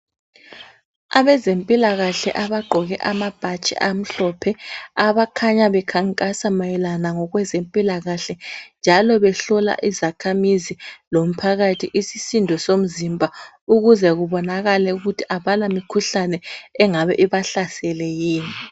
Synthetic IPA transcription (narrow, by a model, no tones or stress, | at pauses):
aβɛzempʼilaɣaɬɛ̰ʔaβaɡ͡ǃʱɔɣɛ̰ʔamab̥ʱat͡ʃʼɛ̰ʔam̩ɬɔpʰɛaβakʰaɲaβɛkʰaŋkʼasamajɛlanaŋɔɣwɛzempʼilaɣaɬɛnd͡ʒʱalɔβɛɬɔla̰ʔizakʰamizilom̩pʰaɣatʰiʔisisindʱɔsom̩zimbʱa | uɣuzɛɣuβɔnaɣalɛuɣutʰi̥ʔaβalamikʰuɬanɛɛŋaβɛʔiβaɬasɛlɛjiːni